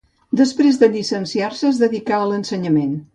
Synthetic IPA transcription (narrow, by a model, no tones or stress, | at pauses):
d̪əspɾezd̪əʎisənsiarsəːzðəðikaələnsəɲəmen